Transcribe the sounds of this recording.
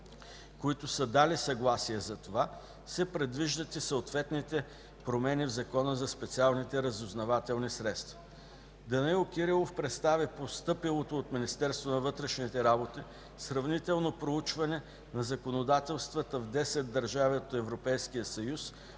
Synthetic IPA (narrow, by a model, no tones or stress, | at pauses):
koit̪osəd̪alisɐɡlˠasiɛzɐt̪ova | sɛpɾɛd̪viʒd̪ət̪isəot̪vɛt̪nit̪ɛ | pɾomɛnivzɐkɔnəzɐspɛt̪sialˠnit̪ɛɾɐzʊznɐvat̪ɛlˠnisɾɛt̪st̪vɐ̥ | d̪ɐnilˠkiɾilˠofpɾɛt̪st̪avipost̪ɤpilˠot̪oːt̪minist̪ɛɾst̪vonɐvɤt̪ɾɛʃnit̪ɛɾabot̪i | sɾɐvnit̪ɛlˠnopɾout͡ʃvɐnɛ | nɐzɐkonod̪at̪ɛlˠst̪vət̪əvd̪ɛsɛd̪̚dːɐɾʒaviot̪ɛvɾopɛjsk̟ijəsɐjus